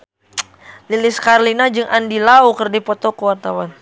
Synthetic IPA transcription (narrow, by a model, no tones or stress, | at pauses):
lilɪskaɾlinad͡ʒɨŋʔandilaukərdipɔt̪ɔkəwart̪awan